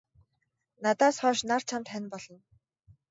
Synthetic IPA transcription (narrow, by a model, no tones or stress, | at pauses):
nat̪aːsχɔːʃnar̥t͡ɕʰamt̪χænʲpɔɮɞ̆n